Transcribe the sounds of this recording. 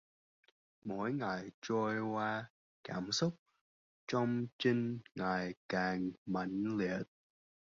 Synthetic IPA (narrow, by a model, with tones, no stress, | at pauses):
mo̰˧˥jŋa˨˩jt͡ɕo˧jkwaː˧ | kaː˧˩msʊ˦˥k͡p̚ | t͡ɕɔ˧wŋ͡mt͡ɕi˧ŋ̟ŋa˨˩jkaː˨˩ŋma̰˧˩jŋli˨ət̚